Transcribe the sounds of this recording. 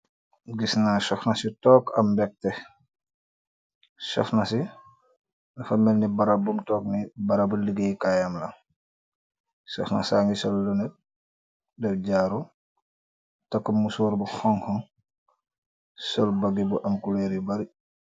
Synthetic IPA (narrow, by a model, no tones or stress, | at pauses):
ɡisnaʃɔfnɐsitɔːkɐ̰mbɛk̚tɛ | ʃɔ̰fnɐsi | nufɐmɛlnibɐɾabumtɔːk̚nibɐɾabuliɡejkajamlɐ | sɔ̰fnɐ̰saːŋɡisɔlːunɛt̚ | dɛfɟaːɾu | tɐkːumːusuːɾbuxɔŋhɔn | sɔlbɐɡibuʔɐmkuleːɾibɐɾi